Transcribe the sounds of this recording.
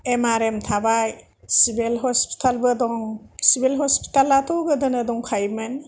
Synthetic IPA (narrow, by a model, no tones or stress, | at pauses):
emaɾemtʰabaj | sibilɦɔspi̥tʰalbɯdɔŋsibilɦɔspi̥talːatʰɔwɡɯdɯnɯdɔŋkʰajmɯn